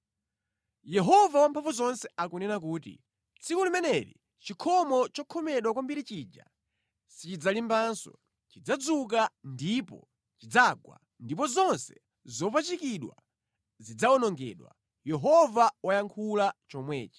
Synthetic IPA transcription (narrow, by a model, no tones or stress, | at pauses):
jɛɦɔvawampʰaɱvuzɔnsɛakunɛnak̬uːtḭ | t͡sʰikulimɛnɛɾḭ | t͡ʃikʰɔmɔt͡ʃɔkʰɔmɛɗwakwambiɾit͡ʃiːd͡ʒa̰ | sit͡ʃid͡zalimbansɔ̰ | t͡ʃid͡zad͡zuk̬andipɔ̰ | t͡ʃid͡zaɡwa̰ | ndipɔzɔnsɛ | zɔp̬at͡ʃikiɗwa̰ | zid͡zaɔnɔŋɡɛ̰ːɗwa̰ | jɛɦɔvawajaŋkʰulat͡ʃɔmwɛːt͡ʃɛ̥